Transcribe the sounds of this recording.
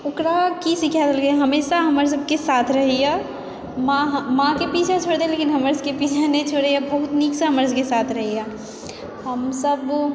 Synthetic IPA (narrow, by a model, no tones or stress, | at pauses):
ʊkɾakisikʰad̪əlɡəjaɦɐmeːʃaɦɐməɾs̬əb̚kesaːt̪ʰɾɐɦija | mãɦmãkepiːt͡ʃʰet͡ʃʰoːɽd̪eeleːkɪnɦəməɾskepiːt͡ʃʰenet͡ʃʰoɽejabəɦʊt̪niːksaɦɐməɾskesaːt̪ʰɾɐɦija | ɦəmsəb